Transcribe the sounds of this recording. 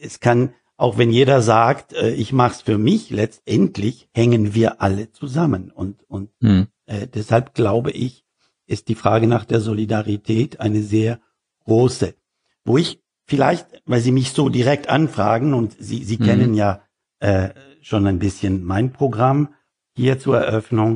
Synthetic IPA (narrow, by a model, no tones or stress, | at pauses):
ʔɛskʰan | ʔaʊxv̥ɛnjeːɾɐzaːktʔɛːʔɪçmaχsfyːɐmɪçlɛt͡stʔɛntʰlɪçhɛŋənviːɐʔalət͡suzamənʊntʊnt̚ | ʔːdɛshalp̚ɡ̥laʊbəʔɪç | ʔɪst̚d̥iːfʁ̥aːɡənaːχd̥eːɐzolidaʁitʰɛːtʔaɪnəzeːɐ | ɡ̥ʁoːsə | voːɪç | fɪlaɪçtvaɪlziːmɪçz̥oːdiʁɛk̚tʔanfʁ̥a̰ːɡŋ̩ʊntz̥ḭːziːkʰɛnənjaː | ʔɛː | ʃoːnaɪnbɪsçənmaɪnpʁ̥oɡʁam | hiːɐt͡suːɐɛ̰ɐʔœfnʊŋ